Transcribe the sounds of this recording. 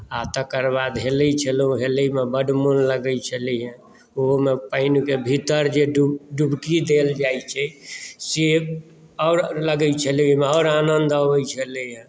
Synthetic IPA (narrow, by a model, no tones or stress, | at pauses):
at̪əkəɾbad̪ɦeləit͡ʃʰəlũɦeləimebəɖmonləɡəjt͡ʃʰəliɦə̃ | oɦmepəɪnukebʱit̪əɾd͡ʒeɖuɖubkid̪eld͡ʒait͡ʃʰɛse | ɔːɾləɡəjt͡ʃʰəlimeɔːɾanənd̪əbəjt͡ʃʰəliɦə̃